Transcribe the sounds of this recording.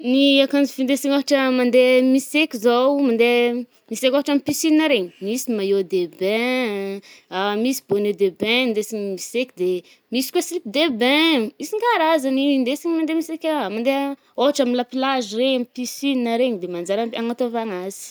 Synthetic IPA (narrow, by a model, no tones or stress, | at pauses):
niakand͡zifind̪esiɲoɦaʈ͡ʂəmand̪emisekʲizowmand̪e | misekʲaɦaʈ͡ʂamipisininəɾeɲimisimajod̪ebɛ̃ | amisi̥boned̪ebɛ̃nd̪esiɲmisekʲid̪e | misi̥kasilip̚d̪ebɛ̃misiŋɡaɾazanind̪esiɲimand̪emisekʲamand̪e | oɦaʈ͡ʂamilapilaʒireɲamipisininaɾeɲid̪emand͡ʒaɾaaŋat̪avaŋaz̥i̥